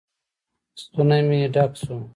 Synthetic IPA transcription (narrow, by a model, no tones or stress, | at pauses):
st̪unɐmĩɖaksu